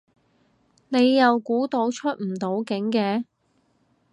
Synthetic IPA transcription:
ne˨˧jːɐ˨wkuː˨˥t̪o˨˧wt͡ʃʰɵ˥t̚m̩˨˩t̪o˨˥wkɪ˨˥ŋkɛː˧

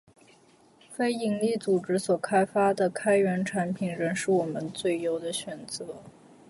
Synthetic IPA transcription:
fe˥ɪi˧˥ŋli˥˩t͡su˨˩ʈ͡ʂɻ̩˧˥swɔ˨˩kʰa˥ɪfa˥d̪ə˨kʰa˥ɪɥɛ˧˥nʈ͡ʂʰa˧˥npʰi˨˩nɻə˧˥nʂɻ̩˥˩wɔ˨˩mə˦nt͡swe˥˩ɪjo˧˥ʊd̪ə˧ɕɥɛ˨˩nt͡sɤ˧˥˦

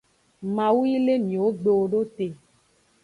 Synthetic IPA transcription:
mã˨wu˦i˦le˦mĩ˨wo˦ɡ͡be˨wo˨ɖo˦t̪e˨

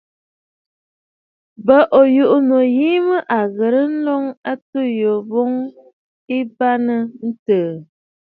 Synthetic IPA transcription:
bə˨ʔo˨ju˨ʔu˦no˨jiː˦mə˦ʔa˨ɣə˨ɾə˦n̩˦lɔ˦ŋa˦tu˦jo˨bo˦ŋ | i˦ba˦nə˦n̩˦təː˨

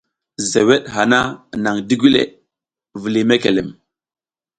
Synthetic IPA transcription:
ze˨we˦ɗɦa˨na˦˨na˨ŋdi˦ɡʷi˦lḛ˨ | vi˨li˨me˦kḛ˨le˨m

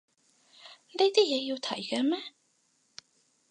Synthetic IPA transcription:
ne˧jt̪iː˥jɛː˨˧jiː˧wt̪ʰɐ̰˨˩˦jkɛː˧mɛ˦˥

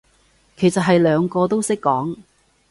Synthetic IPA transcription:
kʰe˨˩jsɐ˨t̚ɦɐ˨jlœː˨˧ŋkɔː˧t̪o˥wsɪ˥kːɔː˨˥ŋ

